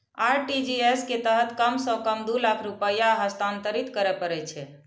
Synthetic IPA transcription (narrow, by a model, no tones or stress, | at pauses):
aɾʈid͡ʒiesket̪əɦət̪kəmsɔ̃kəmd̪ulakʰɾupəjaɦəst̪ãnt̪əɾit̪kəɾɛpəɾɛt͡ʃʰɛ